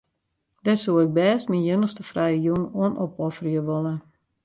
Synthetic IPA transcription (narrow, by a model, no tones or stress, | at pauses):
d̥ɛsuɪk̚bɛːstminjənəstəfrɛjəjunuənopɔfərjəʋolə